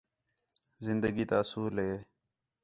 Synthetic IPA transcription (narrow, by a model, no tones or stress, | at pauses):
zɪnd̪əɡiːt̪aːsuːlɦeː